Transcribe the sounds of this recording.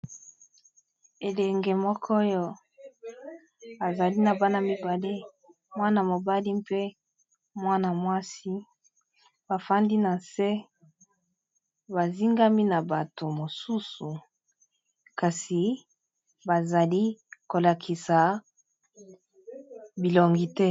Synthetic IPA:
e˨lɛ˨ŋɡe˨mɔ˦kʰo˦jo˦ | a˨za˨li˦na˨ba˦na˨mi˨ba˨le˦ | mwa˦na˨mo˨ba˦li˦mpe˦ | mwa˦na˨mwa˦si˦ | ba˨fa˦ndi˦na˨se˦ | ba˨zi˦ŋɡa˦mi˦na˨ba˨to˨mo˨su˦su˨ | ka˨si˨ | ba˨za˨li˦ko˨la˨kʰi˨sa˨ | bi˨lo˨ŋɡi˦tɛ˦

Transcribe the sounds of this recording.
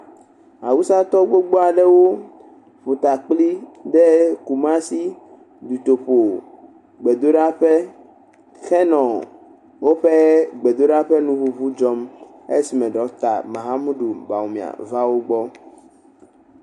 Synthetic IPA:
a˨wu˦sa˦t̪ɔ˦ɡ͡bo˦ɡ͡bo˦a˨ɖɛ˦wo˦ | ɸu˨t̪a˨k͡pli˦ɖɛ˦ku˨mã˦si˦ | d̪u˨t̪o˨ɸo˨ | ɡ͡be˨d̪o˦ɖa˦ɸɛ˦ | xɛ˦nɔ̃˨ | wo˦ɸe˦ɡ͡be˨d̪o˦ɖa˦ɸɛ˦nũ˦βu˦βu˦d͡ʒɔ˦m | e˦si˨mɛ̃˨ɖɔ˨˦t̪a̰˨mã˨ɦa˦mũ˦ɖu˨ba˨o˨mĩ˨a̰˨va˦wo˦ɡ͡bɔ˦

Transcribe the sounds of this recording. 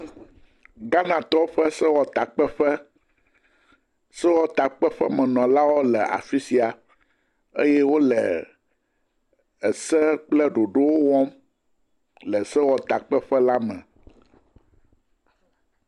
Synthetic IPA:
ɡa˦nã˨t̪ɔ˦ɸɛ˦sɛ˦wɔ˨t̪a˨k͡pɛ˦ɸɛ˦ | sɛ˦wɔ˦t̪a˨k͡pɛ˦ɸɛ˦mɛ̃˨nɔ̃˨la˦wo˦lɛ˨a̰˨fi˦si˨a˨ | ḛ˦jɛ˦wo˦lɛ˨ | ɛ˨sɛ˦k͡plɛ˦ɖo˨ɖo˦wo˦wɔ̃˦m | lɛ˨sɛ˦wɔ˨t̪a˨k͡pɛ˦ɸɛ˦la˦mɛ̰̃˨

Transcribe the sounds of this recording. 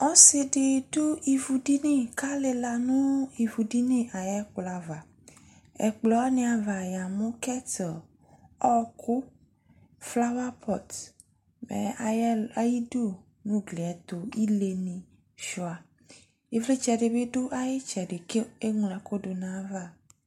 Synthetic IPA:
ɔ̃˦se˨ɖe˨do˦i˨vu˨ɖi˦nẽ˦˨ka˦le˨la˨nũ˦i˨vu˨ɖi˦nẽ˦ʔa˨jɛ˦k͡plɔ˨a˨va˨ | ɛ̰˨k͡plɔ˨˦nẽ˨a˨va˨ja˨mõ˦kɛ˦tɔ˨ | ɔ˦kʰo˦ | fla˦wa˦pʰɔ˨t̪ | mɛ̰˨a˨jɛ˦a˨ji˦ɖo˦˨ | nũ˦ɡle˨ɛ˨t̪o˨i˦le˨nĩ˨ | ʃɔ˨a˨ | e˨vle˦t͡ʃɛ˨ɖe˨be˦ɖo˦ʔa˦je˦t͡ʃɛ˨ɖe˨ke˦e˦ŋũ˨la˨ko˦ɖo˨nã˨˦va˦˨

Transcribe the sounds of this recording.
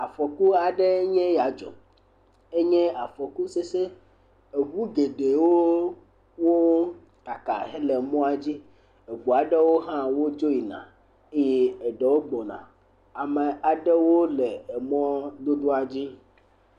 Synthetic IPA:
a˨fɔ˨ku˦a˨ɖɛ˦ɲɛ̃˦ja˨d͡ʒɔ̰˨ | e˦ɲɛ̃˦a˨fɔ˨ku˦se˦se˦ | e˨βu˦ɡe˨ɖe˨wo˦ | wo˦ | t̪a˨ka̰˨ɦɛ˦le˨mɔ̃˦a˨d͡ʑi˦ | e˨ɡ͡bu˨a˨ɖe˦wo˦ɦã˦wo˦d͡ʒo˦i˨nã̰˨ | e˦jɛ˦e˨ɖe˨wo˦ɡ͡bɔ˨nã̰˨ | a˨me˨a˨ɖe˦wo˦lɛ˨e˨mɔ̃˦d̪o˦ɖo˦a˨d͡ʑi˦

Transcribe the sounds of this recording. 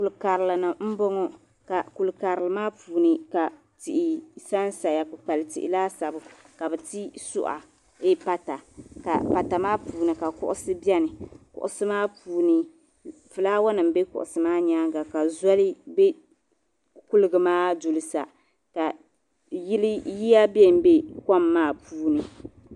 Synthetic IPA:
ku˨lka˨ɾɪ˨lɨ˨nɨ˨m̩˦bɔ˦ŋɔ˦ | ka˨ku˨lka˨ɾɪ˨lɨ˨maː˦puː˨nɨ˨ka˨ | tɪ˨ʔɪ˨sa˦n˦sa˨ja˨kʊ˨k͡pa˨lɨ˨tɪ˨ʔɪ̰˨laː˦sa˨bʊ˨ | ka˨bɨ˨ti˦sʊ̰˦ʔa̰˨ | e˦pa˦ta˨ka̰˨pa˨ta˨maː˦puː˨nɨ˨ka˨kʊ̰˦ʔʊ˦sɨ˦bi˦ɛ˦nɨ˨kʊ̰˨ʔʊ̰˦sɨ˦maː˦puː˨˦nɨ˨ | fɨ˨laː˦wa˦nɨ˨m˦be˦kʊ̰˨ʔʊ̰˨sɨ˦maː˦ɲa˦ɡa˨ka˨za˦lɨ˦be˦ | kʊ˦lɨ˦ɡɨ˨maː˦du˨lɨ˨sa̰˨ | ka˨ | ji˦lɪ˦ji˦ja˦bɛ˦m˦be˦ka˦mːaː˦˨puː˦nɨ˨

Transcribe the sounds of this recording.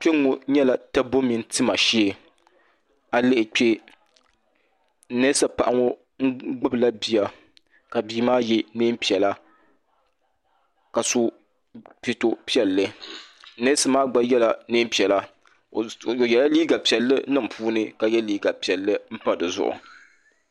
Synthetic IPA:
k͡pe˦ŋo˦ɲɛ˦la˨ta˦bo˦mi˨˦n˦tɨ˦ma˨ʃi˦e˨ | a˨lɨ˦ʔɪ˨k͡pe˦ | nɛ˦sa˦pa˨ʔa˨ŋo˦ | ŋ̩˦ɡ͡bʊ˦bɨ˨la˦bi˨ja˨ | ka˨biː˦maː˦jɛ˦neː˦m̩˦pi˨ɛ˨la˦ | ka˨so˦ | pi˨to˦pi˦ɛ˨lːɨ˦ | ne˦sa˦maː˦ɡ͡ba˦jɛ˦la˨neː˦m˦pi˨ɛ˨la˦˨ | o˨jɛ˨la˦liː˦ɡa˨pi˨ɛ˨lːɨ˦nɨ˦m˨pʰuː˦nɨ˦ka˨jɛ˦liː˦ɡa˨pi˨ɛ˨lːɨ˦m̩˦pa˦dɨ˨zʊ̰˦ʔʊ̰˨

